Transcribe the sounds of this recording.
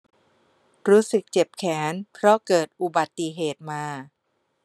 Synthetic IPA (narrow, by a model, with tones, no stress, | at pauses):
ɾuː˦˥sɯ˨˩k̚t͡ɕe˨˩p̚kʰɛː˩˦npʰɾɔ˦˥kɤː˨˩t̪̚ʔu˨˩ba˨˩t̪ːi˨ɦeː˨˩t̪̚maː˧